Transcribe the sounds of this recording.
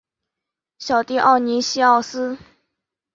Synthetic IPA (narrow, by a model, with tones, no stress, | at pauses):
ɕjɑ˨˩ʊt̪i˥˧ʔɑ˥˩ʊni˧˥ɕi˥ɑ˥˩ʊsɹ̩˥